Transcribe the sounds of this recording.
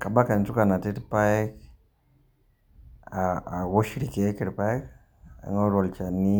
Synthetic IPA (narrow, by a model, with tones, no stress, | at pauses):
ka˨ba˦ka˨ntu˦ka˨na˨ti˦tpa˦k | aː˨wo˦ʃi˦ɾi˨ke˨kɪ˨ɾpa˦k | a̰˨ŋɔ˦ɾɔ˨lt͡ʃa˨ni˦